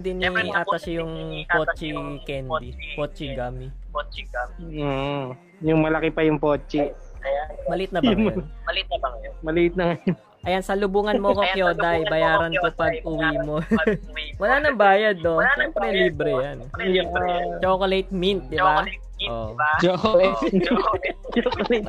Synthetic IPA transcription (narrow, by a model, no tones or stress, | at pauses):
d̪ɪniʔaːt̪ɐsɐjʊŋpot͡ʃikɛnd̪ipot͡ʃiɡami | t͡ʃː | jʊŋmɐlɐkɪpɐjʊŋpot͡ʃiɐjbɐlɪt̪̚nɐbɐɐlt̪̚jmɐliʔɪt̪̚nɐŋɐjo | ʔɐjansɐlʊbuːŋɐnmoɐkokjoːd̪ɐjbɐjaːɾɐnkopɐɡ̚ʔʊwiːmo | wɐlaːnɐŋbaːjɐd̪̚nonɐŋpɾɛlibɾɛjan | t͡ʃokolejt̪̚mint̪̚d̪ɪba | ʔoʔd͡ʒokot͡ʃt͡ʃokolɛt̪̚